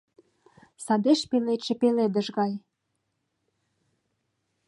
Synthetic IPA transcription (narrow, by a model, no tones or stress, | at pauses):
sɑd̪eʃpelet͡ɕĕpeled̪ə̆ʃɣɑj